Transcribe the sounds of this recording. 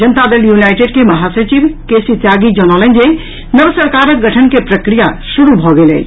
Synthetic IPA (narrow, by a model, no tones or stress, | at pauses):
d͡ʒənt̪ad̪eljunajʈeɖ̚keməɦasət͡ʃibkesit̪jaɡid͡ʒənɔlənd͡ʒe | nəbsəɾkaɾək̚ɡəʈʰənkepɾəkɾijasuɾubʱɔɡelɛ̰